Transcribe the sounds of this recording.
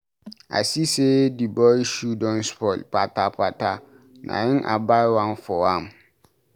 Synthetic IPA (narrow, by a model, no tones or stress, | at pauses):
a̰sisedibɔiʃudɔ̃nspʰɔlpʰatʰapʰatʰa | nʔã̰jɪ̃nʔa̰baɪwãnfɔwãm